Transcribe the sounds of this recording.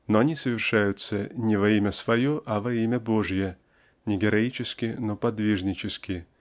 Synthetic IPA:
noɐnʲisəvʲɪrʂajʊt̪sːənʲɪvɐimʲəsvɐjoʔɐvɐimʲəboʐjə | nʲɪɡʲɪɾɐit͡ɕɪskʲɪnopɐd̪vʲiʐnʲɪt͡ɕɪskʲɪ

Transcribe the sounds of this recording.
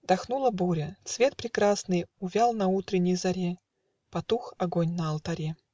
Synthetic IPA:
d̪̥ɐxnulˠəbuɾʲət̪svʲe̞t̪̚pɾʲɪkɾasnɨjʊvʲalˠnɐut̪ɾʲɪnʲːɪjzɐɾʲe | pɐt̪uxɐɡonʲnəːlˠt̪ɐɾʲe

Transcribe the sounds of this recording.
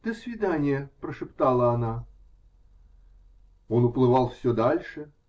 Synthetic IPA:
d̪̥əsvʲɪd̪anʲɪjəpɾəʂɨpt̪alˠəɐna | o̞nʊplˠɨvɑlˠfsʲɵd̪alʲʂɨ

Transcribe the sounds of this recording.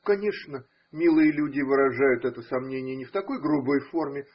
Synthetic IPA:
kɐnʲe̞ʂnə | mʲilˠɨjəlʲudʲɪvɨɾɐʐajʊt̪ɛt̪əsɐmnʲenʲɪjənʲɪft̪ɐko̞jɡɾubojfo̞rmʲɪ

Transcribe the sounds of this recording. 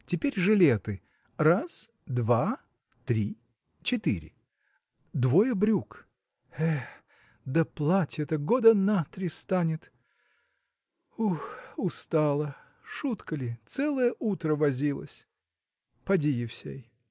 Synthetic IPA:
tʲɪpʲeɾʲʐɨlʲet̪ɨ | ras | d̪va | t̪ɾʲi | t͡ɕɪt̪ɨ̰ɾʲɪ̰ | d̪vojəbɾʲuk | ɛ | d̪əplˠatʲɛt̪əɡod̪ənat̪ɾʲɪst̪anʲɪt̪ | uxʊst̪alˠə | ʂut̪kəlʲɪt̪sɛlˠəjəʔut̪ɾəvɐzʲilˠə̰sʲ | pɐdʲijɪfsʲḛj

